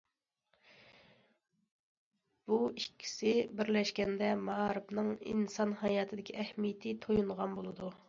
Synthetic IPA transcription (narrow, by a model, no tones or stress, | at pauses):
b̥uikʲʰːi̥sɪbɪɾlɛʃkʲɛnd̪ɛmɑʁɑɾɨbnɨŋḭnsɑnhɑjɑːt̪ʰɪd̪ɪkʲʰiʔɛhmijɪt̪ʰɪt̪ʰojuɴʁɑnbolˠɨd̪u